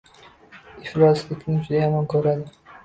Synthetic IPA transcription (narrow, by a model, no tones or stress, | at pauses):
ɪflɒslɪkʰʲnɪt͡ʃʊd̪ajɒmɒnkʰɵɾad̪ɪ